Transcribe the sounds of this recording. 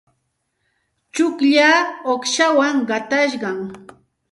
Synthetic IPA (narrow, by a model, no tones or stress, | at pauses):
t͡ʃʊkʎaːoχʃawaŋɢɑt̪aʃ̬ɢɑŋ